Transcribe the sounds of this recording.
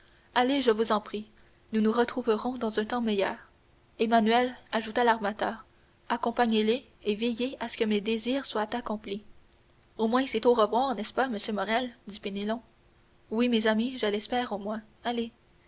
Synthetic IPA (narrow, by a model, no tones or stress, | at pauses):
aleʒəvuzɑ̃pχi | nunuʁət̪χuvəʁɔ̃d̪ɑ̃zœ̃t̪ɑ̃mɛjœ̰ːʁ | emanyɛlaʒut̪alaʁmat̪œːʁ | akɔ̃paɲeleː | vejeasə̥kəmed̪eziːʁswat̪akɔ̃pli | omwɛ̃sɛt̪oʁəvwaːʁnɛspaməsjømɔʁɛld̪ipenelɔ̃ | wimezamiʒəlɛspɛːʁomwɛ̃ | ale